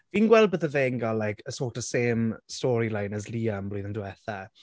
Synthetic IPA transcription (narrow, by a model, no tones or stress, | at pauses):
viːnɡwɛlˠd̚bəðəveːŋɡalːajkʰəsɔːtə̥seːmstɔɾilajnəzliːamblojðəndwɛθa